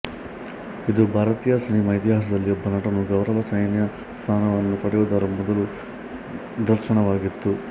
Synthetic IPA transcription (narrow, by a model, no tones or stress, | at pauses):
id̪ubʱaːɾɐt̪iːjɐsinimɐit̪iɦaːs̬ɐd̪ɐlːiɔbːɐnɐʈɐnuɡɐwɾɐʋɐsɐjnjɐ | st̪ʰaːnɐʋɐnːupɐɽiʋud̪ɐːɾɐmɔd̪ɐlu | d̪ɐɾʃɐɳɐʋaːɡit̪ːu